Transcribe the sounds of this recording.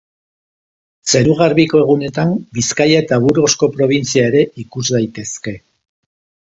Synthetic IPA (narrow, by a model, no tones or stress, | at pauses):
se̞ɾuɣ̞aɾβiko̞e̞ɣune̞t̪ambiskajaet̪aβuɾɣo̞sko̞pɾo̞β̞int͡siae̞ɾe̞ʔikuzd̪ajt̪e̞ske̞